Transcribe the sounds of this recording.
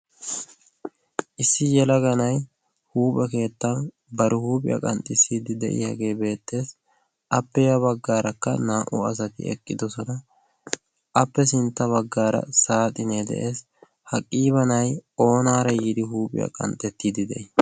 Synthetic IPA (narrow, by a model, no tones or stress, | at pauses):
ʔɪsːɪjɛlɐɡɐnɐj | huːpʼɛke̞ːt̪ːɐn | bɐɾɪhuːpʼɪ̰jɐ̰kʼɐnt̪ʼɪsiːd̪ɪd̪ɛ̰ʔɪ̰hɐɡe̞ːbe̞ːt̪ːe̞ːs | ɐpːɛjɐbɐɡːaːɾɐkːɐ̰naːʔʊ̰ɐs̬ɐt̪ɪ̰ɛ̰kʼːɪd̪ɔsɔnɐ | ʔɐpːɛsɪnt̪ːɐβɐɡːaːɾɐ̰saːt̪ʼɪneːd̪ɛ̰ʔe̞ːs | hɐkʼːiːβɐnɐjo̞ːnaːɾɐjid̪ɪɦuːpʼɪ̰jɐ̰kʼɐ̰nt̪ʼɛt̪ːiːd̪ɪd̪ɛʔɪ